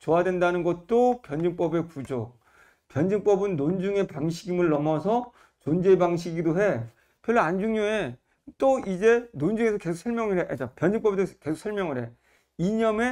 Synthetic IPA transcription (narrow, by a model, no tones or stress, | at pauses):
t͡ɕoadwendanɯnɡʌt̚t͈opjʌnd͡ʑɯŋp͈ʌbe̞kud͡ʑok̚ | pjʌnd͡ʑɯŋp͈ʌbɯnːond͡ʑuŋe̞paŋɕʰiɡimɯɭːʌmʌsʰʌ | t͡ɕond͡ʑe̞baŋɕ̬ʰiɡidoɦe̞ | pjʌɭːoand͡ʑuŋɲoe | t͈oid͡ʑe̞nond͡ʑuŋesʰʌke̞sʰoksʰʌɭmjʌŋɯɾɦed͡ʑapjʌnd͡ʑɯŋp͈ʌbesʰke̞sʰo̥ksʰʌɭmjʌŋɯɾɦe̞ | iɲʌme̞